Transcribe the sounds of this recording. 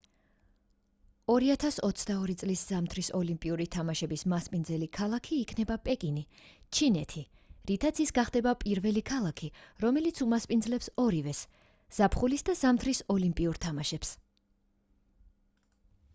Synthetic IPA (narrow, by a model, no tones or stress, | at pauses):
ɔɾiat̪ʰasɔt̪sʰd̪aɔɾit̪sʼlisz̥amt̪ʰɾisɔlimpʼiuɾit̪ʰamaʃɛbismaspʼind̪zɛlikʰalˠakʰiːkʰnɛbapʼɛkʼinit͡ʃʰinɛt̪ʰi | ɾit̪ʰat̪sʰisɡaχd̪ɛbapʼiɾvɛlikʰalˠakʰiɾɔmɛlit̪sʰumaspʼinzlɛpsɔɾivɛs | z̥apʰχulisd̪azamt̪ʰɾisɔlimpʼiuɾt̪ʰamaʃɛps